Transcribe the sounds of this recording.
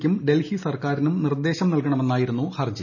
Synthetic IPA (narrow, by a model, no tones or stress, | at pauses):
kʲːumɖe̞lhisɐrkaːɾinumnird̪ːe̞ːɕɐmnɐlkɐɳɐme̞nːaːjiɾunːuhɐrd͡ʑi